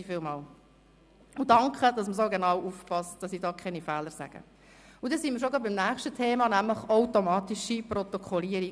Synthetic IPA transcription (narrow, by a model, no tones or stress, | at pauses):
fɪːlmɑːl | ʊdɑŋkχəd̥ɑsməs̬oɡenɑwufpɑstd̥ɑsidɑːkʰχɛnifɛːləɾsæ̰ɡ̥ə̰ | ʊdɛsimiəɾʃ̬oɡɑbɪmnæːχʃtətʰeːmɑnæmləχaʊtomɑːtiʃiprɔt̪okʰχɔliːəɾi